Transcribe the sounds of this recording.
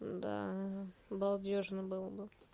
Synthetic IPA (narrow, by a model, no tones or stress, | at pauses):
d̪a̰ | bɐlˠd̪ʲoʐnəbɨlˠəbɨ